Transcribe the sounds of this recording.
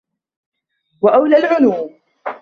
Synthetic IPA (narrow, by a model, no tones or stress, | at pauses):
waʔawlalʕʊnuːm